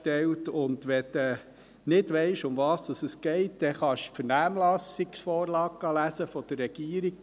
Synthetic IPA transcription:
tɛltʊnd̪ʋɛt̪ɛ | nɪdʋɛɪʃʊmvɑːsd̥̪ɑsəsɡ̥ɛɪt̚dɛχɑʃfəɾnæːmlɑsiksfɔːɾlɑːɡ̚ɡ̥ɑlæsəfɔd̥ərːɛɡ̥iːəɾik̚

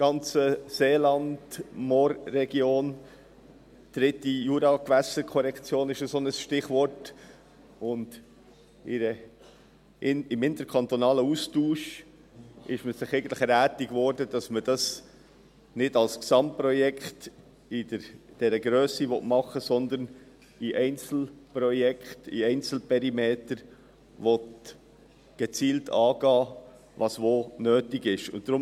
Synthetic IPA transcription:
ɡ̥ɑnt͡səseːlɑnd̥mɔːɾːɛɡ̥joːn | d̥ɾɪtijuɾɑkvæsəkʰɔɾɛkt͡sjoːnɪʃəsonəsʃtɪχvɔɾt | ʊnd̥ | ɪɾə | ɪmɪnt̪əɾkʰɑnt̪ɔnɑːləustuːʃ | ʔɪʃməsɪχɛɪɡən̩tləχɛɾæːtɪɡvɔɾdəd̥ɑsməd̥ɑs | nɪdɑlsksɑmprɔjɛkχt | ɪdəɾd̥ɛɾəɡɾøːsiʋɔtmɑχəsɔnd̪ən | iʔɛɪnt͡sl̩prɔjɛkχtḭɛɪnt͡sl̩pʰɛɾimeːtəɾ | ʋɔt | ɡ̥ɛt͡siːltʰɑːɡ̥ɑː | vɑsʋoːnøːtɪɡɪʃʊ̰nt̚d̥ɾʊm

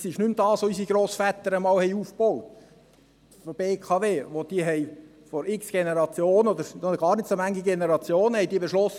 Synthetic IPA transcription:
sɪʃnʉmd̥̪ɑːsʋoys̬iɡɾoːsfæt̪əɾəmɑːlhɛɪuːfbɔwt̪ | fɔb̥eːkʰɑʋeːʋod̥̪iəɦɛj | fɔɾɪksɡ̥ɛnəɾɑt͡sjoːnod̪əɾoɡɑːɾnɪtsomæŋːiɡenəɾɑt͡sjoːnhɛjd̥̪iːbeʃlɔs

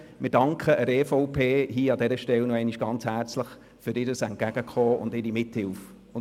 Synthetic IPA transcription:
mɪɾdɑŋkʰχəʔəɾefɔʊpʰeːɦiːɑd̪ɛɾəʃtɛlnɔɛɪniʃɡ̥ɑnt͡shært͡sləχ | fʏɾɪːɾəsɛnt̚ɡ̥æɡ̥əkχɔːʊ̰ndɪːɾimɪthɪlf | ʊn

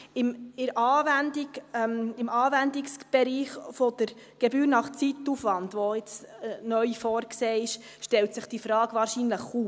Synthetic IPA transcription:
ɪmɪɾʔɑːvændimɪmɑːʋændiksb̥ɛɾiːχfod̥̪əɾɡ̥ebyːɾnɑχt͡sit̪ufʋɑndʋoɪt͡snœʏfɔːɾkseːɪʃ | ʃtɛlt̪sɪχd̥ifɾɑːɡ̥ʋɑːɾʃinləχuː

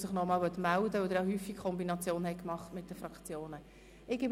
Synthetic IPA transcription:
sɪχnɔmɑːlʋœtmældəɔd̪əɾahyːfikkʰɔmbinɑt͡sjoːnhɛɪkmɑχtmɪt̚d̥əfɾɑkt͡sjoːnə | ɪɡɪb

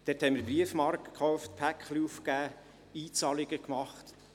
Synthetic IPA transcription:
d̥ɛɾthɛmɪɾbriəfmɑɾkəkχɔʊftpʰækχliufkæː | iːt͡sɑliɡəkmɑχt̪

